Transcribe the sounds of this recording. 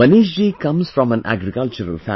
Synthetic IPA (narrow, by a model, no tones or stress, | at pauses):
ɐniːʃ̬d͡ʒiːkʌ̃mz̥fɾɔ̃mæ̃nʔæ̰ɡɾikʌlt͡ʃəɾə̰lfæ̰̃